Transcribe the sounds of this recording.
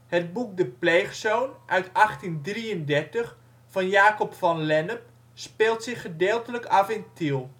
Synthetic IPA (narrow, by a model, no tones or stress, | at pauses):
həd̚buk̚dəplejχsownʔœɥtɑχtindriəndɛɹtəχ | fɑnjaːkɔpfɑnlɛnəm | speːlˠtsɪχədeːlˠtələkafɪntilˠ